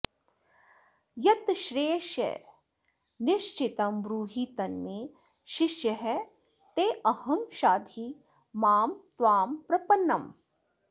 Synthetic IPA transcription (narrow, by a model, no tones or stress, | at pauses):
jɐt̪ʃɾeːʃḛ | nɪʃt͡ʃɪt̪ɐmʋɾuːɦit̪ɐnmeː | ʃɪʃjɐɦɛ | t̪eːʔɐhɐmʃaːd̪ʱi | maːmt̪ʋaːmpɾɐpɐnːɐm